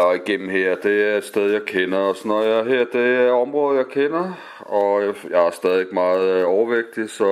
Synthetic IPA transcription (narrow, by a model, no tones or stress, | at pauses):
iɡ̥en̰m̩heɐ̰d̥e̝æɐed̥sd̥eð̞ˠjɑ̈ɪkʰenɐɒsnɒjɑɦeɐ̰d̥e̝ɒ̽mʁɔ̽ːð̞̩ˠjɑ̈ɪkʰenɐ | ɒ̽jɑ̈ɪæɐsd̥ɛːðˠieɡ̥mɑ̈ːð̩ˠɒʊɐʋeɡ̥̚d̥isɒ̽